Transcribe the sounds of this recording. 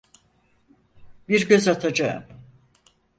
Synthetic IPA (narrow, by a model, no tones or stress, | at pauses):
biɾɟø̞zat̪ʰad͡ʒaɯ̰m